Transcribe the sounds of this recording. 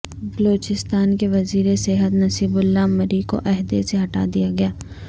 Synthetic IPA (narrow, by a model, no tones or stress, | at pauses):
bɐloːt͡ʃɪst̪aːnkeʋɐziːɾesɛɦət̪nɐsiːbʊlːamɐɾiko̰ʔɛɦd̪eseɦɐʈa̰ːd̪ijaɡɐjaː